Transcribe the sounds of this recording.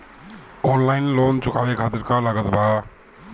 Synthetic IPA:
oːnlaːɪnloːnt͡ʃʊkaːʋekʰaːt̪ɪɾkalaːɡət̪bʱaː

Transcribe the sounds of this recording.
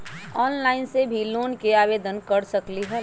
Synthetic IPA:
ɔːnlaːɪnsebʱiloːnkeaːʋeːd̪ənkɐɾsɐkliɦɛː

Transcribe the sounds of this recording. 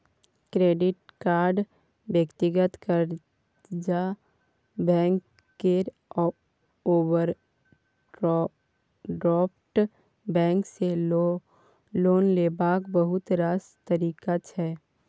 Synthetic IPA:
kɾeːɖɪʈkaːɾɖ | bjəkt̪ɪɡət̪kəɾ | d͡ʒa | bɛ̃ːk | keɾ | ɔ | oːwəɾ | ɖɾɔːp̚ʈ | bɛ̃ːŋkse | loːnleːbaːkbəɦʊt̪ɾaːst̪əɾiːkat͡ʃʰɛː

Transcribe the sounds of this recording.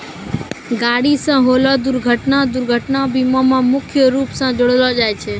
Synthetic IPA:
ɡaːɽisãːɦoːlod̪ʊɾɡʱəʈnad̪ʊɾɡʱəʈnabiːmomãmʊkʰjəɾuːpsãd͡ʒoɽəlod͡ʒaːjt͡ʃʰeː

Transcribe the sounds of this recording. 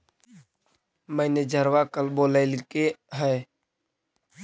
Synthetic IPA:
mɛ̃ːned͡ʒəɾʋakəlboːlaɪlkeɦɛː

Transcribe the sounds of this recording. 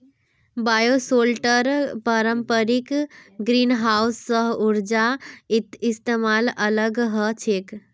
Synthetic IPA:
bajosolʈəɾpəɾəmpəɾikɡɾinɦausːəɦuɾd͡ʒait̪ist̪emalələɡɦət͡ʃʰek

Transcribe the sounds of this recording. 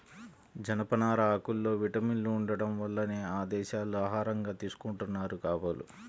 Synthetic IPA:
d͡ʒɐnɐpɐnaːɾɐːkulːo̞ːʋiʈɐminluːɳɖɐɽɐmʋɐlːɐneːaːd̪ɛːʃaːluaːɦaːɾɐŋɡaːt̪iːsu̥kuɳʈunːaːɾukaːʋalṵ

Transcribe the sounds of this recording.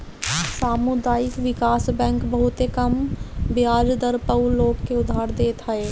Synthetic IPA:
saːmʊd̪aːɪkʋɪkaːsbɛ̃ːŋkbɐɦʊt̪ekɐmbjaːd͡ʒd̪əɾpəwloːɡkeʊd̪ʱːaːɾd̪eːt̪ɦɐeː

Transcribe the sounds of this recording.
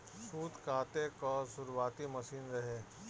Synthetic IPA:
suːd̪kaːt̪ekɔːsʊɾwaːt̪imɐsiːnɾɐɦeː

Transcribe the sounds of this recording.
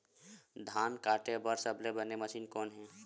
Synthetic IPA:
d̪ʱaːnkaːʈebəɾsəblebəneməʃiːnkɔːnɦɛ̃ː

